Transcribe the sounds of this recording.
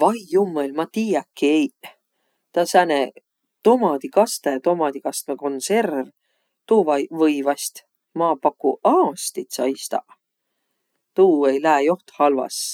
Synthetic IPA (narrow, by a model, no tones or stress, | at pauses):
vɑjumːelʲmɑt̪iːjɑkːiej | t̪ɑsæne | t̪omɑd̪̥ikɑst̪ejɑt̪omɑd̪̥ikɑst̪meko̞nserv | t̪uːvɑjvɤjvɑst̪ | mɑːpɑkːˑuʔɑːst̪it̪sɑ̰jst̪ɑ̰ | t̪uːejlæːjo̞ht̪hɑlvɑ̰s